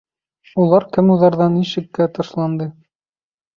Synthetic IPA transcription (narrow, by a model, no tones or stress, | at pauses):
ulˠɑɾkɘmuðɑɾðɑnːiʃɘ̆kːæt̪ɤʃlˠɑnd̪ɤ